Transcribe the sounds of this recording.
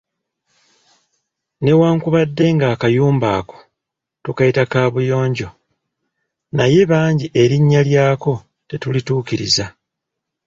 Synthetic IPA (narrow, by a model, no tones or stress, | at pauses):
ne̞waːŋkuβadːe̞ŋɡaːkajuːmbaːko̞̥ | tukajitakaːβujo̞ːɲɟo̞ | naje̞βaːɲɟiʔe̞ɾiɲːaljaːko̞ | te̞tulituːkiɾḭza